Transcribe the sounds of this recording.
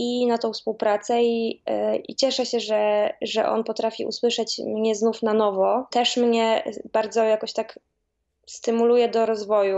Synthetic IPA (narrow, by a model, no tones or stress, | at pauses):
inat̪ɔ̃w̃fspuwpɾat̪sɛi | ḭt͡ɕɛʂɛɕɛʐɛʐɛ̰ʔɔ̰npɔt̪ɾafʲḭʔṵswɘʂɛt͡ɕmɲɛznufnanɔvɔt̪ɛʂmɲɛbaɾd̪zɔjakɔɕt̪ak | st̪ɘmulujɛd̪ɔɾɔzvɔju